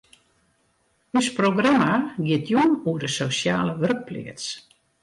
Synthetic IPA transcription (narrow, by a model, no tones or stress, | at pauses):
øsproɡramaɡɪətʰjuənuədəsosja̰ːləʋørk̚plḭəts